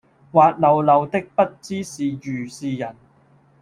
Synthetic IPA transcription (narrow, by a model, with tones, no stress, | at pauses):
waː˧t̚lɐ˨˧wlɐ˨˧wt̪ɪ˥k̚pɐ˥t̚t͡siː˥siː˨jyː˨˩siː˨˧jɐ˨˩n